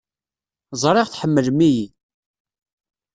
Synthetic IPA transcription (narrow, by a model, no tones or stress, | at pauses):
zˤɾˤɪʁθħəmːəlmiji